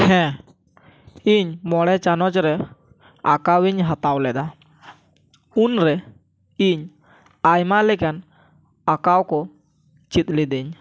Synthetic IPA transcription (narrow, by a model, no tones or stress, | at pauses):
hɛ̃ | iɲmɔɽɛt͡ʃanɔt͡ʃɾɛ | a̰kawiɲɦat̪awlɛd̪a | unɾɛ | iɲ | ajmaʔlɛkan | akawkɔ | t͡ʃit̪̚ˀlid̪iɲ